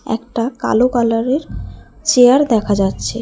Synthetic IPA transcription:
ɛ̰kʈaka̰lokalaɾeɾt͡ɕeaɾd̪ɛkʰad͡ʑatːɕʰe

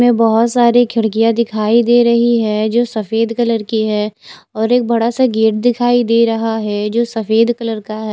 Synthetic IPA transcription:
mẽbɐɦʊt̪saːɾekʰɪɽkijad̪ɪkʰaːid̪eːɾɐɦiɦɛd͡ʒoːsɐfeːd̪kɐləɾkiɦɛːɔːɾeːk̚bɐɽasaɡeːʈ̚d̪ɪkʰaːid̪eːɾɐɦaɦɛd͡ʒoːsɐfeːd̪kɐləɾkaɦɛ

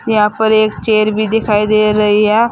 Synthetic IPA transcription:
jɐɦãːpəɾeːkt͡ʃeːɾbʱid̪ɪkʰaːid̪eːɾɐɦiɦɛː

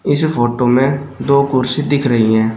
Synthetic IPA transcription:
ɪspʰoːʈoːmẽd̪oːkʊɾsid̪ɪkʰɾəɦiɦɛ̃ː

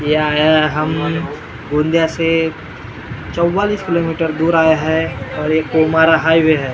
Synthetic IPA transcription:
jaaɦɐm | ɡũːnd̪jase | t͡ʃɔwːaːliːskɪloːmiːʈəɾd̪uːɾaːjaɦɛɔːɾekomaːɾaɦaːiʋeɦɛː

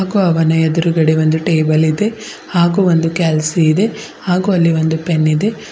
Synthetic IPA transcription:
aːɡuːɐʋɐnɐɛd̪uɾuɡɐɽeʋo̞nd̪uʈeːbɐlid̪e̞ | haːɡuːʋond̪ukaːlsiːd̪e̞ | haːɡuɐlːiʋond̪upenːid̪e̞

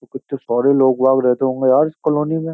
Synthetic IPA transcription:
t̪okɪt͡ʃt̪osɔːɾeloːɡbaːɡɾɛɦt̪eɦõːŋɡejaːɾɪskəloːnimẽː

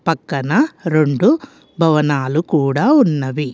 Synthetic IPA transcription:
pɐkːɐnɐɾeɳɖu | bʱɐʋɐnaːlukuːɽaːunːɐʋi

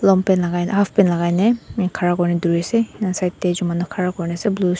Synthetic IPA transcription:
lɔmpɛnlaɡajnhafʰpɛnlaɡajnɛkʰaɹakɔɹnɛduɹisɛsajtːɛzumanɔkʰaɹakɔɹnasɛblu

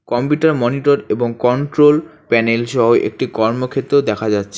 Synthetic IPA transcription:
kɔmpuʈaɾmɔniʈoɾeboŋkɔɳʈɾolpɛnelʃɔɦoʔḛk̚ʈikɔɾmokʰet̪ːɾod̪ɛkʰad͡ʑatːɕʰe

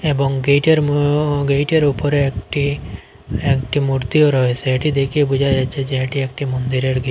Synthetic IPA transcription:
ebɔŋɡejʈeɾɡejʈeɾupɔɾeekʈi | ekʈimuɾt̪ioɾɔɦesʰeeʈid̪ekʰiebud͡ʒʱajd͡ʒat͡ʃʰed͡ʒeɦeʈiekʈimɔnd̪iɾeɾɡe

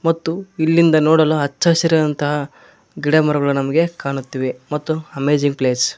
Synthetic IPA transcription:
mɐt̪ːuilːind̪ɐnoːɽɐloɦɐt͡ʃːaːsɐɾɐd̪ɐnt̪ɐɦɐ | ɡiɽemɐɾɐɡɐɭunɐmɐɡe̞kaːɳut̪ːiːʋemɐt̪ːuɐmeːd͡ʒiŋɡ̚pleːs

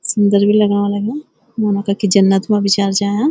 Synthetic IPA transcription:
sʊnd̪əɾbʱilɐɡaʋãləɡã | monõkakid͡ʒɐnːət̪mẽɐbʱɪt͡ʃaːɾd͡ʒaːjã

